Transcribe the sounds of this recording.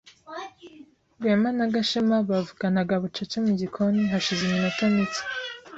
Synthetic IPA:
ɡemanaɡaʃemaβavukanaɡaβut͡ʃat͡ʃemuɟikʰoniɦaʃizeminotamiti̥

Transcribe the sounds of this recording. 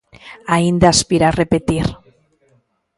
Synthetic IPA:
aind̪aaspiɾarepet̪iɾ

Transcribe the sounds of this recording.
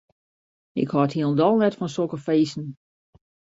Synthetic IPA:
ɪ̰khɔthiəlˠndɔlˠnɛtfɔnsokəfeːsn̩

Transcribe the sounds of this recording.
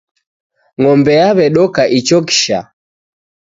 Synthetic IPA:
ŋɔmbɛjaβɛɗɔkaʔit͡ʃɔki̥ʃa̰

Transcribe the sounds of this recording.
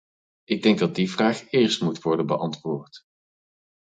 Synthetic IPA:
ʔɪɡ̚dɛŋɡ̚dɑd̚divraːχɪːɹstmutʋɔɹdənbəʔɑntʋoːɹt

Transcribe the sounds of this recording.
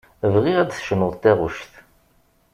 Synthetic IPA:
vʁiʁæd̪θʃənʊðˤt̪æʁʊʃθ

